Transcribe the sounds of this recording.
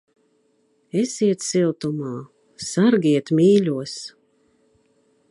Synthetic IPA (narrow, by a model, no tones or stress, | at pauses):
esiɛt̪silˠt̪umaː | saɾɡiɛt̪mʲiːlʲuɔs